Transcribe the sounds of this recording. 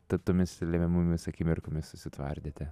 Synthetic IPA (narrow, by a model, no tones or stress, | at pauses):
t̪ɐtt̪oːmʲɪslʲɛmʲɛmʊmʲɪsɐkʲiːmʲɪɾkomʲɪssʊsʲɪt̪ʋɐ̰rʲd̪ʲeːt̪ʲɛ